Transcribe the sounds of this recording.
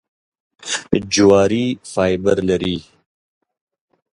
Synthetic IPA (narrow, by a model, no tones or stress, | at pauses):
d͡ʒuwaːɾiːfaːjbəɾlɐɾiː